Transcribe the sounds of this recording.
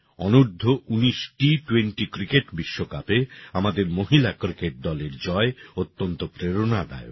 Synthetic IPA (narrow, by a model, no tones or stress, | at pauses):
ɔnuɾd̪ʱːoʔuniʃʈiʈuweɳʈikɾikeʈbiʃːokapeamad̪eɾmoɦilakɾikeʈ̚d̪ɔleɾd͡ʑɔeot̪ːont̪opɾeɾonad̪a̰jo̰